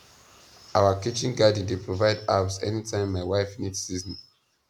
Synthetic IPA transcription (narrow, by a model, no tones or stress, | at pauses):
awakit͡ʃĩnɡadn̩depʰɹovaɪdasɛnitʰãɪ̃mːaɪwaɪfnit͡ʃsiz̃n